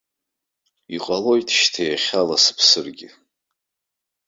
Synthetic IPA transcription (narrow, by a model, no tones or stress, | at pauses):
iqʼalo̞jtʰʃtʰejaχʲalasɨ̥pʰsɨrɡʲɪ